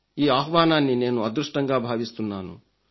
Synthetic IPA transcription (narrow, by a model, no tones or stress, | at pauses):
iːaːɦʋaːnaːnːine̞ːnuɐd̪ɾuʂʈɐŋɡaːbʱaːʋist̪unːaːnṵ